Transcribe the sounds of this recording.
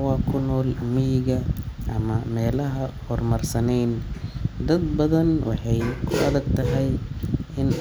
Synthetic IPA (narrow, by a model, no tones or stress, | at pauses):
wɑːkʰʊnɔːlmɪjɪɣɐʔɐmɐmɛːlɐɦɐhɔrmɐrsɐnɛjnd̪ɐd̪bɐðɐnwʔɑ̰ħɑjkʰʊɐðɐɡt̪ʰɐɦɛjʔɪn